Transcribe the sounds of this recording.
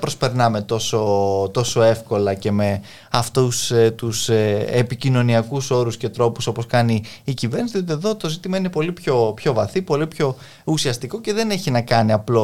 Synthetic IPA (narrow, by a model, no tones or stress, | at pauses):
pɾo̞spe̞ɾnɐme̞t̪o̞so̞t̪o̞so̞e̞fko̞lɐce̞me̞ | ɐft̪ust̪useepicino̞niɐkuso̞ɾusce̞t̪ɾo̞puso̞po̞skɐniːcive̞ɾnisðiot̪ieðo̞t̪o̞zit̪imɐine̞po̞lipço̞pço̞vɐθipo̞lipço̞ | usiɐst̪iko̞ce̞ðe̞ne̞çinɐkɐniɐplo̞